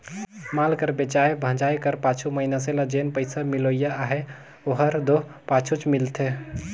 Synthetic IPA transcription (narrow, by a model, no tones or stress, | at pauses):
malkəɾbet͡ʃajbʱə̃d͡ʒajkəɾpat͡ʃʰuməɦinaseləd͡ʒenpəɪsamilojaːɦe | oɦəɾd̪oɦpat͡ʃʰut͡ʃmilt̪ʰe